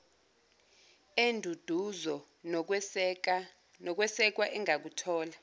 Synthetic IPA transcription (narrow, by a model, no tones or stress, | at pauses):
endʱud̥ʱuzɔ | n̬ | nɔk̬wɛsɛk̬waʔɛŋak̬utʰɔːla